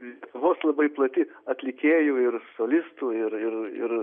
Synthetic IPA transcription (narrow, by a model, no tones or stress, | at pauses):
ʋoːslˠɐbɐɪplˠɐt̪ʲɪɐt̪ʲlʲɪkʲeːjuːɪrsoːlʲɪst̪uːɪɾɪrɪ̰ɾ